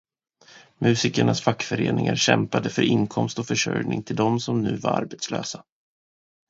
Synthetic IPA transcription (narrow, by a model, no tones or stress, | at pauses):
mʔʉ̟ːsɪkəɳasfakːfœɾḛːnɪŋaɾɕɛmpad̪əfœɾʔɪŋkʰɔmst̪ɔfœʂœjnɪŋt̪ʰɪld̪ɔmsɔmnʉ̟ːvaɾa̰ɾbɛt̪slø̰ːsa